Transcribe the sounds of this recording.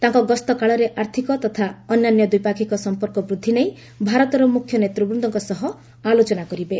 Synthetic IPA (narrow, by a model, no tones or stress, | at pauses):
t̪ãŋkɔɡɔst̪ɔkaɭɔɾeʔaɾt̪ʰikɔt̪ɔt̪ʰaɔnːjanjɔd̪ujpakʰikɔsɔmpɔɾkɔbɾud̪ʱːinej | bʱaɾɔt̪ɔɾɔmukʰːjɔnet̪ɾubɾund̪ʱɔŋkɔsɔɦɔ | alot͡ʃɔnakɔɾibe